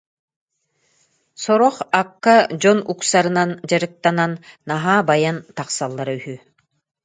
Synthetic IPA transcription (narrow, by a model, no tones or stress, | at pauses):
sɔɾɔχakːad͡ʑɔnuksaɾɯnand͡ʑaɾɯk̚t̪ananːaɦaːbajant̪aqsalˠːaɾayhy